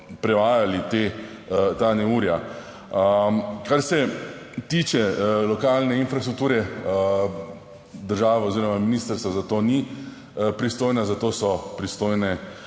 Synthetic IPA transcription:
pɾɛʋaːjalit̪e | t̪anɛuːɾja | əkaɾsɛ | t̪iːt͡ʃɛlɔkaːlnɛinfɾast̪ɾuk̚t̪uːɾɛ | d̪əɾʒaːʋaoziːɾɔmaminiːst̪əɾst̪ʋazat̪oni | pɾist̪oːjnazat̪oːsɔpɾist̪oːjnɛ

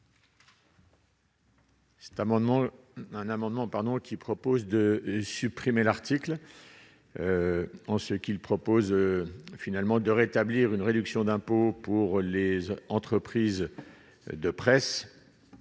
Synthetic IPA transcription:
sɛ̥t̪ | ɛ̃namɑ̃d̪mɑ̃paʁd̪ɔ̃kʲipχɔpozd̪əsypχimelaʁt̪ikl | ɑ̃səkʲilpχɔpozfinalmɑ̃d̪əʁet̪abliʁynʁed̪yksjɔ̃d̪ɛ̃popuʁlezɑ̃t̪χəpχiz | d̪əpχɛs

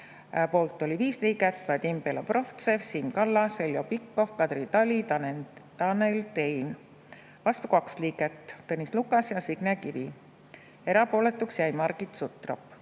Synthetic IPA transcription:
po̞ːlt̪ːˑo̞lʲiviːsliːɡet̪ːˑvɑd̪ʲimpeloproft̪sesiːmkɑlːɑselʲːjopikːo̞fkɑd̪̥rit̪ɑlʲint̪ɑnelt̪e̞jn | vɑst̪u̥kɑksliːɡet̪ːɤnʲislukːˑɑsjɑsiɡ̥nekivi | e̞ɾɑpo̞ːlet̪ːˑuksjæjmɑrɡ̥it̪sut̪ˑro̰pː

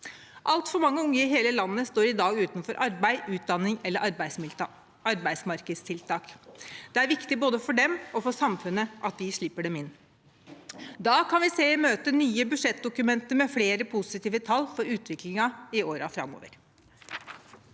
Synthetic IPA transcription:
ʔɑlt̪fɔɾmɑŋːəʊŋːəɪɦeːləlɑnːəst̪oːɾɪd̪ɑːɡʉːt̪nfɔɾʔɑɾbæɪʔʉːt̪̚d̪ɑnːɪŋɛlːəɾʔɑɾbæɪs | ɑɾbæɪd̪smɑɾkəd̪st̪ʰɪlt̪ʰɑːkd̪̥ɛæɾʋɪkt̪ɪboːd̪əfɔɖɛmɔfɔsɑmfʉnːəʔɑt̪̚d̪ɪʂɭɪpːəɖɛmɪnː | d̪ɑːkʰɑnʋɪseːmøːt̪ənyːəbʉʂɛt̪̚d̪ʊkʉmɛnt̪əɾmɛfleːɾəpʰʊsɪt̪iːʋət̪ʰɑlːfɔɾʉːt̪ʰʋɪklɪŋɑɪoːɾɑfɾɑ̰mːo̰ːʋə̰ɾ

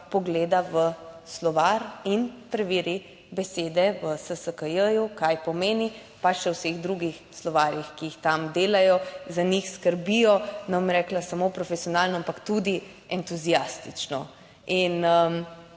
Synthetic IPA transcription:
pɔɡleːd̪aʋəslɔʋaɾinpɾɛʋiːɾi | bɛseːd̪ɛʋəsəsəkəjəjukajpɔmeːni | pat͡ʃʃɛwseɣd̪ɾuɡixslɔʋaːɾjixkiixt̪amd̪eːlajɔzanixskəɾbijɔnamɾɛklasamopɾɔfɛsijɔnaːlnɔampakt̪ud̪i | ɛnt̪uzijast̪it͡ʃnɔ | inəm

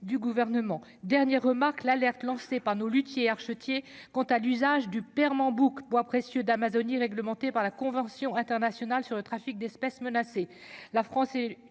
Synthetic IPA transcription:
d̪yɡuvɛʁnəmɑ̃ | d̪ɛʁnjɛʁːəmaʁklalɛʁt̪lɑ̃sepaʁnolyt̪jeaʁʃət̪jekɑ̃t̪alyzaʒd̪ypɛʁmɑ̃bukbwapχesjød̪amazɔniʁɛɡləmɑ̃t̪epaʁlakɔ̃vɑ̃sjɔ̃ɛ̃t̪ɛʁnasjɔnalsyʁlət̪χafik̚d̪ɛspɛsmənase | lafχɑ̃sɛ

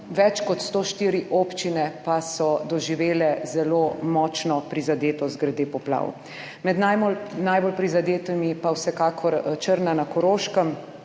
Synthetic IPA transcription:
ʋɛt͡ʃkɔt̪st̪oːʃt̪iːɾiʔoːpt͡ʃinɛpasɔd̪ɔʒiʋeːlɛzɛlomɔːt͡ʃnɔpɾizad̪eːt̪ɔzɡɾɛd̪eːpɔpla̰ːw̰ | mɛd̪nanajbolpɾizad̪eːt̪imipawsɛkaːkʰɔɾt͡ʃəɾnanakɔɾoːʃkəm

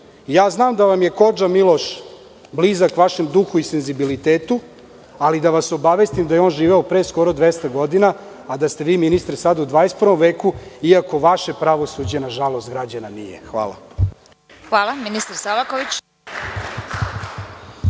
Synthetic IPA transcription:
jaːznaːmd̪aʋamje̞ko̞d͡ʒamilˠo̞ʃ | blizakʋaʃe̞md̪uxuise̞nzibilit̪eːt̪u | alid̪aʋaso̞baʋest̪imd̪ajeo̞ːnʒiːʋeopɾeːsko̞ɾod̪ʋest̪aɡo̞d̪inaː | d̪ast̪e̞ʋiːminist̪ɾsad̪aud̪ʋaːjest̪̚pɾʋo̞mʋeːkuiako̞ʋaʃe̞pɾaʋo̞sud͡ʑenaʒalo̞st̪̚ɡɾad͡ʑananḭjḛxʋa̰ːla̰ | xʋaːlˠaminist̪aɾsalakoʋit͡ɕ

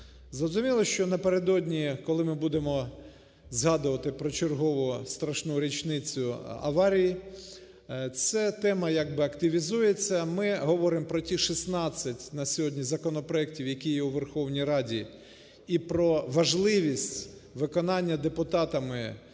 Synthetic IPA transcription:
zrɔzʊmʲilˠɔʃt͡ʃɔnɐpeɾe̞d̪ɔdʲnʲikɔlˠɪmɪbud̪emɔ | zɦɑd̪ʊʋɐt̪ɪpɾɔt͡ʃerɦɔʋʊst̪ɾɐʃnuɾʲit͡ʃnɪt͡sʲʊɐ̰ʋɑɾʲiji | t̪sɛt̪ɛmɐjaɡ̚bɪɐkt̪ɪʋʲizujet͡sʲːɐmɪɦɔʋɔɾɪmpɾɔtʲiʃisnɑt͡sʲːɐtʲnɐsʲɔɦɔdʲnʲizɐkɔnɔpɾɔɛk̚tʲiwjɐkʲijɛuʋerxɔwnʲijɾɑdʲi | ipɾɔʋɐʒlˠɪʋʲisʲtʲʋɪkɔnɑnʲːɐd̪epʊt̪ɑt̪ɐmɪ

